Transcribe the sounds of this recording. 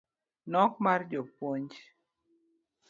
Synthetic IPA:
nɔkmard͡ʒopwoɲd͡ʒ

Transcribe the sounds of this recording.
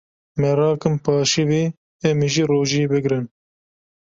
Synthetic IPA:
mɛɾɑːkɨmpɑːʃiviː | ɛmiʒiɾoːʒiebɨɡɾɨn

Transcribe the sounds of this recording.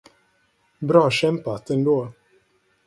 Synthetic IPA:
bɾɑːɕɛmpat̪ɛnd̪oː

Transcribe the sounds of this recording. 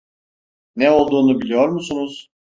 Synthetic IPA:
nɛo̞lˠd̪uːnubilʲijo̞ɾmusunuz̥

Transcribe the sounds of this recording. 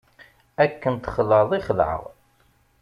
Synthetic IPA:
ækːənt̪χəlːəðˤɪχəlʕə̰ʁ

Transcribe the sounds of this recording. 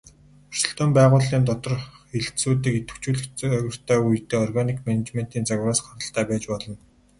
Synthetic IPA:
ʊr̥sə̥̆ɬt̪ɔːmpæːʁʊːɮiːnt̪ɔt̪ɞ̆rxeɮt̪suːt̪̬iːket̪ɘ̆kt͡ɕuːɮɘ̆xɣə̆r̥t̪ʰæːujt̪eːɔrɣanikmenet͡ɕmen̥t̪iːnt͡saɣʲwraːsχaɾə̆ɬt̪æːpæːt͡ɕpɔɮɞ̆n

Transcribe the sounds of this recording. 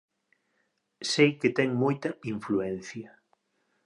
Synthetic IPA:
sejket̪ɛŋmojt̪ɐiɱfluɛn̟θjɐ

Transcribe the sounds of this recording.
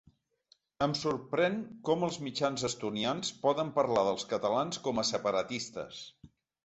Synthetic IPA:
əmsurpɾɛŋkɔməlˠzmid͡ʒanzəst̪unianspɔðəmpəɾlaðəlˠskət̪əlanskɔməsəpəɾət̪ist̪ə̰s

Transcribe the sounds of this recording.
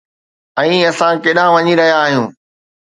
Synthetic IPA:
ɛ̃ːɐsãkeːɗãʋɐɲiɾɐɦijaːɦijũː

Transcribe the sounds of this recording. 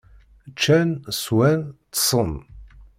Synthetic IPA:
t͡ʃːænswænt̪sˤən

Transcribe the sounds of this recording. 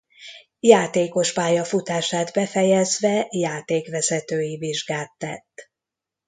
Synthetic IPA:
jaːt̪eːko̞ʃpaːjɒfut̪aːʃaːd̪bɛfɛjɛzʋɛjaːt̪eːkʋɛzɛt̪øːjiviʒɡaːt̪ːɛt̪ː

